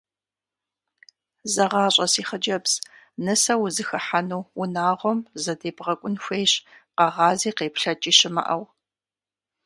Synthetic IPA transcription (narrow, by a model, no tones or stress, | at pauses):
zɐʁɑːɕʼɐsiːχəd͡ʒɐbs | nɨsɐwzɨxɐħanuːʊnaːʁʷɔmzɐdeːbʁɐkʷʼʊnxʷejɕqɐʁɑːziːqeːpɬɐt͡ʃʼiːɕɪmɐ̰ʔɐw